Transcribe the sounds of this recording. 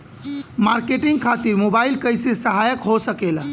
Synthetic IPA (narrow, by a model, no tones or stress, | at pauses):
maɾkeʈiŋɡkʰat̪iɾmobailkəjsesəɦajəkɦosəkel